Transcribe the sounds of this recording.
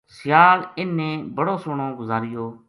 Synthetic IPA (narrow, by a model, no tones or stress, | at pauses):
sɪjaːlɪnːẽːbəɽoːsʊɽõːɡʊzaːɾɪjoː